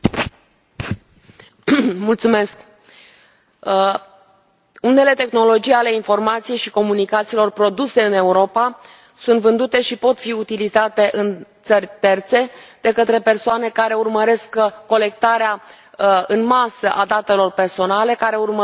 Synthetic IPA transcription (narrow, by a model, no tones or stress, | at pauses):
mult̪sume̞sk | une̞le̞t̪e̞xno̞lo̞d͡ʒijale̞info̞rmat̪sijejʃiko̞munikat̪siːlo̞rpɾo̞d̪use̞ɨne̞uɾo̞pa | sunt̪vɨnd̪ut̪e̞ʃipo̞t̪fiut̪ilizat̪e̞ʔɨnt̪sərʲt̪e̞rt̪se̞d̪̥e̞kət̪ɾe̞persoane̞kaɾe̞urməɾe̞skːo̞le̞k̚t̪aɾea | ɨnmasəʔad̪at̪e̞lo̞rpe̞rso̞nale̞kaɾe̞urmə